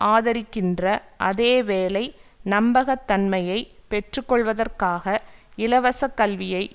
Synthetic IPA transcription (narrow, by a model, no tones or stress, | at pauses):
ʔaːðɐɾɪkːɪndrɐʔɐðeːʋeːlɐɪnɐmbɐɣɐt̪ːɐnmɐjɐɪpɛʈrɯkːɔɭʋɐðɐrkaːɣɐɪlɐʋɐsɐkːɐlʋɪjɐɪ